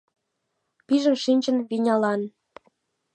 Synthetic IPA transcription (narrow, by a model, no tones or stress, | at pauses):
piʒə̆mʃinʲt͡ɕə̆nβinʲɑlɑn